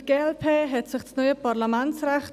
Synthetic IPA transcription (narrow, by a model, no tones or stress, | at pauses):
ɡ̥eːɛlpʰeːɦɛtsɪχsnɔʏəpʰaʁlamɛnt͡srɛχt